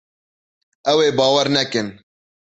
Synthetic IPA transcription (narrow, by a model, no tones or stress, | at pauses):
ɛweːbɑːwɛɾnɛkɨn